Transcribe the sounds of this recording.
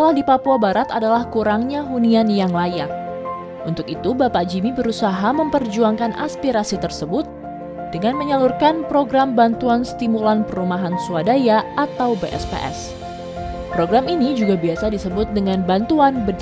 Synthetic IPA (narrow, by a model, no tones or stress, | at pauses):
t̪əlahdipapuabaɾat̪adalahkuɾaŋɲaɦunianjaŋlajak̚ | unt̪ʊkit̪ubapaʔd͡ʒimibəɾusaɦaməmpərd͡ʒuaŋkana̰spiɾasit̪ərsəbʊt̪̚ | d̥əŋanməɲalurkanpɾoɡɾambant̪uanst̪imulanpərumaɦansuadajaat̪awbeʔɛ̰spḛʔɛ̰s | pɾoɡɾaminid͡ʒuɡabiasadisəbʊt̪̚dəŋanbant̪uanbəd